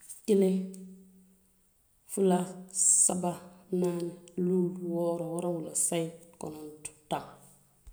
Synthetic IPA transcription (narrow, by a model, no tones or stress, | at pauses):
kile | fulasabananluːlwoɾowoɾawulosaiko̰nontu̥ta